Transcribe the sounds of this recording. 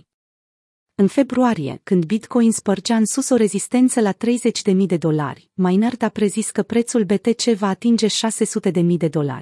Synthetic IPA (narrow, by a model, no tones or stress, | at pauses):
ɨnfe̞bɾuaɾije̞̰kɨnd̪̚bit̪ko̞jinspərd͡ʒaɨnsuso̞ɾe̞zist̪e̞nt̪səlat̪ɾe̞jze̞t͡ʃʲd̪e̞mijd̪e̞d̪o̞la̰rʲmajnard̪apɾe̞ziskəpɾe̞t̪sulbe̞t̪e̞t͡ʃe̞vaːt̪ind͡ʒe̞ʃase̞sut̪e̞d̪e̞mijd̪e̞d̪o̞la̰rʲ